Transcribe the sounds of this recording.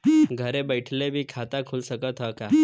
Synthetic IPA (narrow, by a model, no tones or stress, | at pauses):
ɡʱəɾebəjʈʰlebʱiːkʰat̪akʰulsəkət̪ɦəka